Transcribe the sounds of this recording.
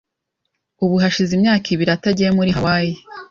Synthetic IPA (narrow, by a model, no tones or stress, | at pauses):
uβuɦaʃizimɲaːkʰiβiɾiataɟemuɾiawaːje